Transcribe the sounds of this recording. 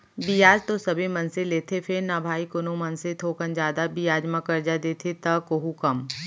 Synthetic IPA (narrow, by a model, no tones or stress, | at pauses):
bijaːd͡ʒt̪osɐbʱimɐ̃nseleːt̪ʰepʰɪɾnabʱaːikʊnomɐnset̪ʰoːkənd͡ʒaːd̪abijaːd͡ʒmãkɐɾd͡ʒad̪eːt̪ʰet̪ɐkoɦukɐm